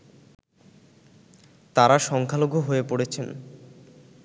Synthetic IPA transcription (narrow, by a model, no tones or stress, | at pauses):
t̪aɾaʃɔŋkʰaloɡʱoɦoepoɽet͡ɕʰen